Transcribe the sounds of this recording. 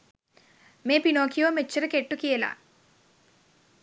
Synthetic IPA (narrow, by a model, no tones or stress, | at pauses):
meːpinoːkʰijoːmet͡ʃːɐɾɨkeʈːukijɐla̰ː